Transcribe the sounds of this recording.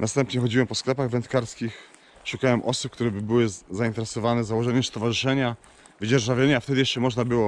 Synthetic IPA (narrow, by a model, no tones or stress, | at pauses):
nast̪ɛmpɲɛxɔd͡ʑiwɛmpɔsklɛpaɣvɛnt̪kaɾskʲix | ʂukawɛmʔɔsup̚kt̪uɾɛbɘbɘwɘzaint̪ɛɾɛsɔvanɛzawɔʐɛɲɛst̪ɔvaʐɨʂɛɲa | vɘd͡ʑɛɾʐavʲjeɲaft̪ɛd̪ɘjɛʂt͡ʂɛmɔʐnabɘwɔ